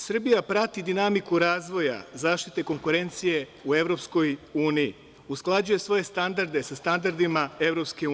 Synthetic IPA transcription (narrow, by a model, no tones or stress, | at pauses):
sr̩bijapɾat̪id̪inamikuɾaːzʋo̞ja̰zaːʃt̪it̪e̞ko̞ŋkuɾe̞nt̪sije̞ue̞ʋɾo̞psko̞juːnijḭ | usklˠad͡ʑuje̞sʋo̞je̞st̪and̪aɾd̪e̞sast̪and̪aɾd̪imae̞ʋɾo̞pske̞